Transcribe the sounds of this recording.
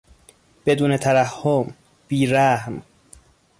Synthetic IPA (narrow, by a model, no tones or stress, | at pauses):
b̥e̞d̪uːnet̪ʰæɾæhːom | b̥iːɾæhm